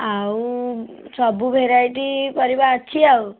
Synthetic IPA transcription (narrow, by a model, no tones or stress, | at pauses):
aw | sɔbubʱeɾajʈikɔɾibaːt͡ʃʰiaw